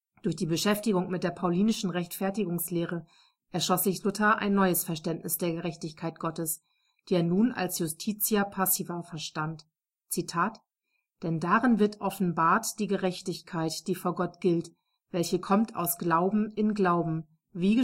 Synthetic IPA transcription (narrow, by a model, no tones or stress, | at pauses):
d̥ʊɐçd̥iːbəʃɛftɪɡʊŋmɪt̚d̥eːɐpʰaʊliːnɪʃn̩ʁɛçtfɛɐtɪɡʊŋsleːʁ̞ə | ʔɛɐʃlɔsz̥ɪçlʊtʰaʔa̰ɪnːɔʏəsfɛɐʃtɛntnɪsd̥eːɐɡəʁɛçtɪçkʰaɪt̚ɡ̥ɔtəs | d̥iːeːɐnuːnʔa̰lsjʊstʰiːt͡siɐpʰasiːvɐfɛɐʃtant | t͡sitʰaːt | d̥ɛndaʁɪnvɪɐtʔɔfn̩baːɐtd̥iːɡəʁɛçtɪçkʰaɪtd̥iːfoːɐɡɔtɡ̥ɪlt | v̥ɛlçəkʰɔmtʰa̰ʊsɡ̥laʊbm̩ɪnɡlaʊbm̩ | viːə